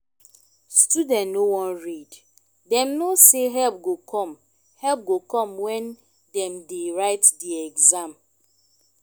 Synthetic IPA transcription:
studɛ̃nnowɔ̃nɹid | dɛ̃mnoseɦɛlp̚ɡokʰɔ̃m | hɛlp̚ɡokɔ̃mwɛ̃n | dɛ̃mdeɹaɪtdiɛɡzãm

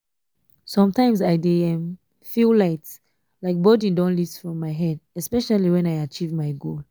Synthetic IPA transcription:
sɔ̃mtãɪ̃mzaɪdeɛ̃m | fillaɪt | laɪk̚bɔdĩndɔ̃nliftfɹɔ̃mːaɪɦɛdɛspɛʃaliwɛ̃naɪat͡ʃivmaɪɡol

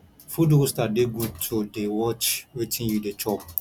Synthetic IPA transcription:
fudustadeɡũtʰodewɔt͡ʃwetʰĩnjudet͡ʃɔp

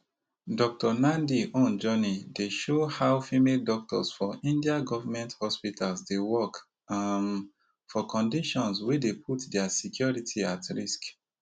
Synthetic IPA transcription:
dɔk̚tɔnãndiʔõnd͡ʒɔnideʃohaʊfimeldɔk̚tʰɔ̰sfɔʔĩndiaɡɔvamɛ̃nthɔspitʰalsdewɔk | ãn | fɔkʰɔ̃ndiʃɔ̃nswedepʰutdɛasikʰjɔɹitʰiatɹisk

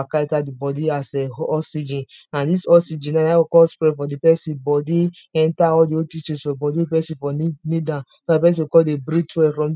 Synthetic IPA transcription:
akaitadibɔdiasɛɔsid͡ʒĩnãndisɔsid͡ʒĩnaawokɔlspɹɛfɔdipɛsĩbɔdiɛ̃ntaɔldiotit͡ʃɛsfɔbɔdipɛsĩfɔninidã | sɔdipɛs̬ĩwikɔdebɾitʰɛfɹɔ̃m

